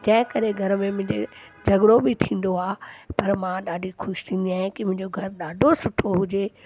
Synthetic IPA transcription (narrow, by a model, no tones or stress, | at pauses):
d͡ʑɐ̃ɦɪ̃kɐɾeɡʱɐɾmẽmʊ̃ɦɪd͡ʑed͡ʑʱɐɡɽobɪt̪ʰĩːn̆d̪oaːpɐɾmãɗaːɖʱixʊʃt̪ʰĩːnd̪iaːɦɪ̃kɪmʊ̃ɦɪɲd͡ʑoɡʱɐɾɗaːɖʱosʊʈʰoɦʊd͡ʑeː